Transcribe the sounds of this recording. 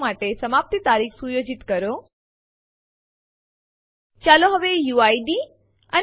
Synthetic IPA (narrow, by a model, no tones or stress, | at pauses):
maʈesəmap̚t̪it̪aːɾiːxsujoːd͡ʒɪt̪kəɾo | t͡ʃaːloɦəʋejuaiɖi | ən